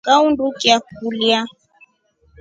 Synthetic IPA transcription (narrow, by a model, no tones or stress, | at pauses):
kaundukiakulja